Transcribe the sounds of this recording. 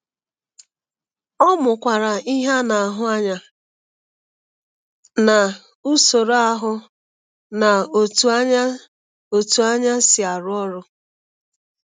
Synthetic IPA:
ɔ˦mʊ˨kʷa˨ɾa˨i˦ɦa˦na˨ɦʊ˦a˦ɲa˨ | na˨ | u˦so˨ɾo˨˦a˦ɦʊ˦ | na˨o˨tu˨˦a˦ɲ˦ | o˨tu˨a˦ɲa˦sɪ˨a˨ɾʊ˦ɔ˦ɾʊ˦

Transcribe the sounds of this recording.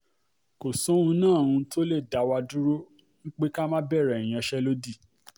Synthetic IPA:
ko˨sɔ̃˨˦ũ˧˦nãː˦˨ũ˧to˦le˦˨da˨˦wa˧du˦ɾo˦ | ŋ̩̃˦k͡pe˦ka˦mã˦bɛ˦˨ɾɛ˨i˨j̃ã˧˦ʃɛ˦lo˦di˦˨

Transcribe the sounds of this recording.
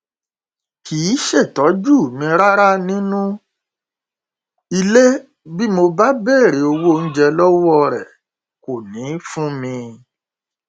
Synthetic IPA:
ki˨˦ʃe˦˨tɔ˨˦d͡ʒu˦˨mĩ˧ɾa˦ɾa˦nĩ˦nũ˦ | i˧le˦ | bi˦mo˧ba˦be˦˨ɾe˨˦o˧wo˦˨n̩˦d͡ʒɛ˧lɔ˦wɔ˦˨ɾɛ˨ | ko˨nĩ˨˦fũ˦mĩ˧

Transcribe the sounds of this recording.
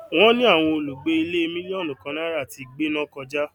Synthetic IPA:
w̃ɔ̃˦nĩ˦a˦˨w̃ɔ̃˧o˧lu˨ɡ͡be˦i˧le˦˧mĩ˦nĩ˦o˦˨lũ˨kã˨˧na˦ɾa˦˨ti˧ɡ͡be˦nã˦kɔ̃˧d͡ʒa˦

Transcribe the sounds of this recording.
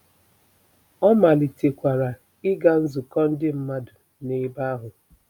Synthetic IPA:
ɔ˦ma˨li˨te˨kʷa˨ɾa˨ | ɪ˦ɡa˦n̩˦zʊ˨kɔ˦n̩˦dɪ˦m̩˦ma˦dʊ˨ | ne˨˦ba˦ɦʊ˨

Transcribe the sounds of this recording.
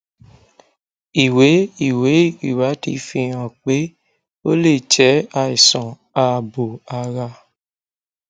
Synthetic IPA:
i˨we˨˦i˦˨we˨˦i˨wa˨˦tḭ˧fĩ˧ã˨k͡pe˨˦ | o̰˦le˦˨t͡ʃɛ˨˦a˧i˨sɔ̃˨ | a˨˧˨bo˨a˧ɾa˧

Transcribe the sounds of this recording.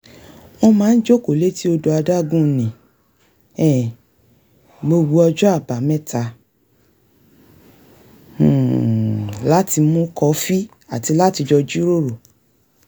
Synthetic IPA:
ɔ˧mãː˨˦n̩˦d͡ʒo˦ko˨le˨˦ti˦o˧do˧a˧da˦˨ɡũ˦˨nĩ˨ | ɛ˦˨ | bo˧ɡo˧ɔ˧d͡ʒɔ˦a˦˨ba˨mɛ̃˦tʰa˧˦˨ | la˦ti˧mũ˦kɔ˧˦fi˦ | a˨ti˧la˦ti˧d͡ʒɔ˧d͡ʒi˦ɾo˦˨ɾo˨

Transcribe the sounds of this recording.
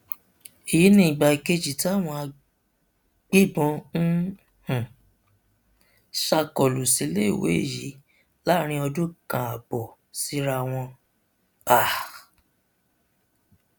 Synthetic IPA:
i˨ji˨˦nĩ˦ĩ˨ɡ͡ba˧i˨ke˧d͡ʒi˨ti˦a˦˨w̃ɔ̃˧a˧ | ɡ͡be˦˨bɔ̃˧˦n̩˦ | hũ˨ | ʃa˧kɔ˨lu˨si˨˧˦le˦i˦˨wḛ˨˦ḛ˦˨jḭ˨˦ | la˦ɾ̃ĩ˧ɔ˧dũ˦kã˨a˨bɔ˨ | si˨˧˦ɾa˧w̃ɔ̃˧ | a˨

